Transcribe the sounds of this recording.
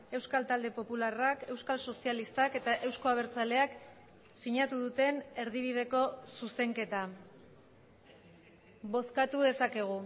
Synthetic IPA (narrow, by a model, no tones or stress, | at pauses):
e̞wskalt̪ald̪e̞po̞pularake̞wskalso̞sialist̪ake̞t̪aʔe̞wsko̞aβ̞e̞ɾt͡sale̞ak | siɲat̪uðut̪e̞ne̞ɾðiβ̞ið̞e̞ko̞suse̞ŋke̞t̪a | βo̞skat̪uðe̞sake̞ɣ̞u